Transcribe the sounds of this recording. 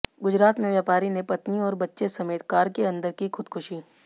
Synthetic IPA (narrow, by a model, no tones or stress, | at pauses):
ɡʊd͡ʒɾaːt̪mẽʋjaːpaːɾinepɐt̪niɔːɾbɐtːʃesɐmeːt̪kaːɾkeɐ̃nd̪əɾkixʊd̪kʰʊʃiː